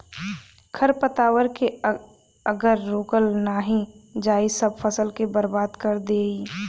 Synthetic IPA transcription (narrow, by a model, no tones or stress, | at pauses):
kʰəɾpət̪aːwəɾke | əɡəɾːoːkəlnaːɦĩd͡ʒaːisəb̚fʰəsəlkebəɾbaːd̪kəɾd̪eːi